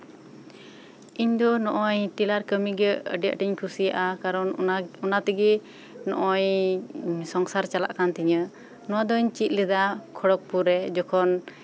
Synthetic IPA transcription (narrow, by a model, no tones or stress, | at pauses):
iɲd̪ɔnɔʔɔɲʈilaɾkəmiɡəə̰ɖija̰ʔʈiɲkʰusijaʔakaɾɔnunat̪iɡi | nɔ̰ʔɔɲ | sɔŋsaɾt͡ʃala̰ʔkant̪iɲə | nɔwad̪ɔɲt͡ʃit̪̚ˀlɛd̪akʰɔɽɔk̚puɾɛd͡ʒɔkʰɔn